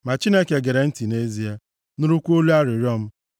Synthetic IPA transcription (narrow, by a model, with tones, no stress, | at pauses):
ma˨t͡ʃi˦ne˦ke˨ɡe˨ɾe˨n̩˦ti˨ne˦zi˦e˦ | nu˦ɾu˦kʷu˦o˦lu˦a˦ɾɪ˨ɾjɔ˦m̩˦